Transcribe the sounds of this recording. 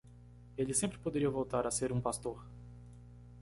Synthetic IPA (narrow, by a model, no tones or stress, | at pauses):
elɪsẽmpɾɪpod̪eɾiɐvowt̪aɾaseɾũpast̪oɾ